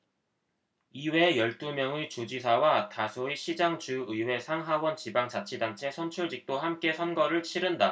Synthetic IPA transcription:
iwe̞jʌɭt͈umjʌŋɯt͡ɕud͡ʑisʰawatasʰoiɕʰid͡ʑaŋt͡ɕuɯjwe̞sʰaŋɦawʌnt͡ɕibaŋt͡ɕat͡ɕʰidant͡ɕʰe̞sʰʌnt͡ɕʰuɭd͡ʑik̚t͈ohamk͈e̞sʰʌnɡʌɾɯɭt͡ɕʰiɾɯnda

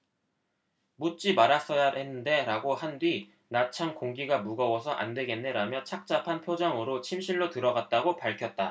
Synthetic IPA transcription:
mut͡ɕ͈imaɾas͈ʌjahe̞nːɯnde̞ɾaɡohandwi | nat͡ɕʰankoŋɡiɡamuɡʌwʌsʰʌʔa̰nde̞ɡe̞nːe̞ɾamjʌt͡ɕʰak̚t͡ɕ͈apʰanpʰjod͡ʑaŋɯɾot͡ɕʰimɕʰiɭːotɯɾʌɡat̚t͈aɡopaɭkʰjʌt̚t͈a

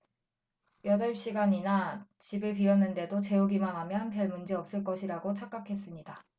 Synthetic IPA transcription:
jʌdʌɭpɕ͈iɡaɲinat͡ɕibɯɭpɥiʌnːɯnde̞dot͡ɕe̞uɡimanɦamjʌanpʰjʌɭmund͡ʑeʌp̚s͈ɯɭk͈ʌɕʰiɾaɡot͡ɕʰak͈akʰe̞s͈ɯmɲida

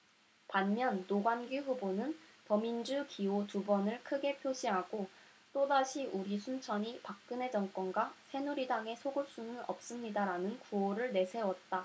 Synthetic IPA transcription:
panmjʌnːoɡwanɡiɸubonɯntʌmind͡ʑukiotubʌnɯɭkʰɯɡe̞pʰjoɕʰiɦaɡo | t͈odaɕʰiʔuɾisʰunt͡ɕʰʌɲipak̚k͈ɯne̞d͡ʑʌŋk͈wʌnɡwasʰe̞nuɾidaŋe̞sʰoɡɯɭs͈unɯnʌ̰p̚s͈ɯmɲidaɾanɯnkuʌɾɯɭne̞sʰe̞wʌt̚t͈a

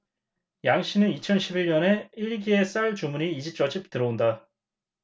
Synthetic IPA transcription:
jaŋɕ͈inɯnit͡ɕʰʌnɕʰibiɭɲʌne̞iɭɡie̞s͈aɭt͡ɕumuniːd͡ʑit͡ɕ͈ʌd͡ʑip̚tɯɾʌonda

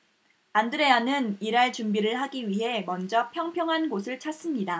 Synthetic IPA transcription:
andɯɾe̞anɯniɾaɭt͡ɕumbiɾɯɭɦaɡiɥiɦe̞mʌnd͡ʑʌpʰjʌŋpʰjʌŋɦanɡosʰɯɭt͡ɕʰas͈ɯmɲida

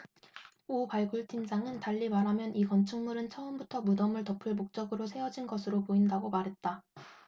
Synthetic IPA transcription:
opaɭɡuɭtʰimd͡ʑaŋɯntaʎːimaɾɦamjʌnʔikʌnt͡ɕʰɯŋmuɾɯnt͡ɕʰʌɯmbutʰʌmudʌmɯɭtʌpʰɯɭmok̚t͡ɕ͈ʌɡɯɾosʰe̞ʌd͡ʑinɡʌsʰɯɾopoindaɡomaɾɦe̞t̚t͈a

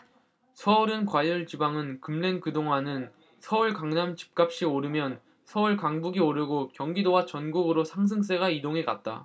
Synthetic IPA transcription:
sʰʌuɾɯnkwaʎːɯɭt͡ɕibaŋɯnkɯmle̞nkɯdoŋɦanɯn | sʰʌuɭkaŋnamt͡ɕi̥p̚k͈ap̚ɕ͈ioɾɯmjʌn | sʰʌuɭkaŋbuɡioɾjɯɡokjʌŋɡidowat͡ɕʌnɡuɡɯɾosʰaŋs̬ʰɯŋs̬͈e̞ɡaidoŋeka̰t̚t͈a̰

